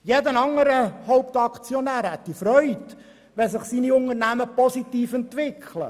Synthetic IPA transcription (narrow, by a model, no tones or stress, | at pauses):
jɛdənɑŋːəɾəhɔʊp̚t̪ɑkt͡sjɔnæːɾhɛt̪ːifɾœʏt | ʋɛsɪχsiːniʊŋəɾnæməpɔsit̪iːfɛnt̪ʋɪkχʰlə̰